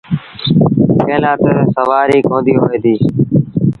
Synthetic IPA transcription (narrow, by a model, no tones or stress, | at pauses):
kpʰeːlãːt̪əsəʋaːɾiːkõːnd̪iːɦoːʋeːd̪iː